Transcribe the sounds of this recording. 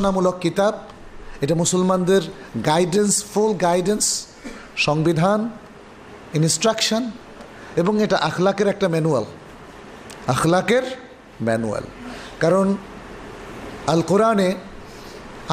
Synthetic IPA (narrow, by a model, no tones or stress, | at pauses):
namulɔkːit̪ab̚ | etamusɔlmand̪eɾ | ɡajdenspʰulɡajdens | sɔŋbid̪ʱan | instɾaksɔn | ebɔŋɛtaʔaxʰlakeɾɛk̚ʈamɛnual | axlakeɾ | mɛnṵa̰lkaɾɔn | alkɔɾane | a